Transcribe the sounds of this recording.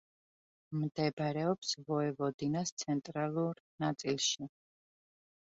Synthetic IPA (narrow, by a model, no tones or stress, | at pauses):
md̪ɛbɾɛɔpsvɔɛvɔd̪inast̪sʰɛnt̪ʼɾalˠuɾnat̪sʼilˠʃi